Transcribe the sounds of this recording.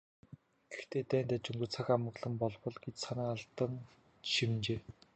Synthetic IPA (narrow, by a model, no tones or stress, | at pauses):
ɡɘ̥̆xt̪ʰeːt̪æːnt̪at͡ɕɵŋɡɵ̆t͡sʰaxamə̆ɣɮə̆mpɔɮpɞ̆ɮɡet͡ɕsanaːŋaɮt̪ə̆ŋ | ʃimnt͡ɕeː